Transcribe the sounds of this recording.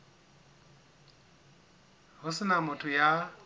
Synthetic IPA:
ɦʊsɪnamʊtʰʊja

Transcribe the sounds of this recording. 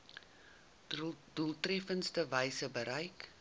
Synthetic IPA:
dulˠtrɛfənstəvəjsəbəɾəjk

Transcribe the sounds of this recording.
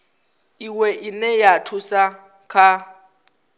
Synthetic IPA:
iwɛʔinɛjatʰusa | kʰa

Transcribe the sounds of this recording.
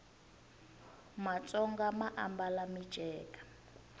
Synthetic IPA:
mat͡sʼɔŋɡamaʔambalamid̥ʒ̥ʱɛːkʼḁ

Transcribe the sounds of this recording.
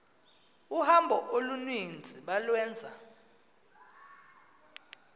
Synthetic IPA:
uhambʱɔʔolunind͡zʱiɓalwɛːnd͡zʱa

